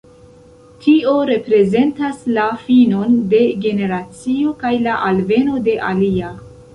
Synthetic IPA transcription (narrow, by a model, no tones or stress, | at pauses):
tʰio̞ɾe̞pɾe̞ze̞ntaslafino̞nde̞ɡe̞ne̞ɾat͡sio̞kajlaʔalve̞no̞de̞ʔalia